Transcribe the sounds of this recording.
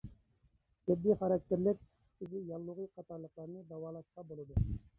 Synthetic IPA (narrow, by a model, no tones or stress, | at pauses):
t̪ʰɪb̪ːiχɑɾɑk̚t̪eɾlɪk̚ʲ | t̪ɪzɪjɑlˠːʊʁijqʰɑt̪ɑɾlˠːəqlˠɑɾnɨd̪ɑwɑːlˠɑʃqɑbolˠɨd̪u